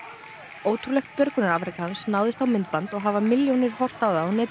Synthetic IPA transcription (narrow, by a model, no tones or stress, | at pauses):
oːwt̪ʰɾulɛxt̪̚pjœɾkʏnaɾaːfɾɪkaansnawðɪst̪awmɪnt̪̚pant̪ɔɣɦavamɪljownɪɾ̥hɔr̥t̪awðaːwnɛːt̪